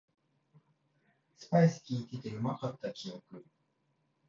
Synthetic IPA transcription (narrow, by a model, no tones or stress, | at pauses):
sɨ̥pajsɨ̥kʲiːt̪et̪eɯmakat̪ːakʲiokɯ